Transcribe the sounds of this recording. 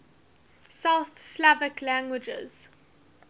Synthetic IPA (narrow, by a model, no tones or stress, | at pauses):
saʊθslavɪklæ̃ŋɡwɪd͡ʒə̰z̥